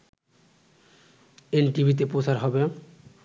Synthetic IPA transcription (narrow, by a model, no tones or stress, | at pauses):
enʈibʱit̪̬epɾosʰaɾɦɔbe